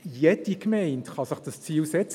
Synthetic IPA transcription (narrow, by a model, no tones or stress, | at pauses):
jɛdikmɛɪntχɑsɪχd̥ɑst͡siːlsɛt͡s